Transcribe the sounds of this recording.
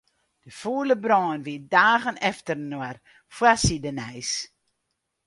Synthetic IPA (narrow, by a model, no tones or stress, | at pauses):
d̥əfuələbrɔːnʋiədaːɣənɛftərnuər | fwasidənɛjs